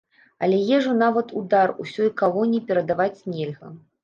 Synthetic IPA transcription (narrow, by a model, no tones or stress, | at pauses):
ɐ̰lʲɛjɛʐunavɐt̪ud̪arusʲɔjkalˠɔnʲipʲɛɾɐd̪avat͡sʲnʲɛlʲɣɐ̰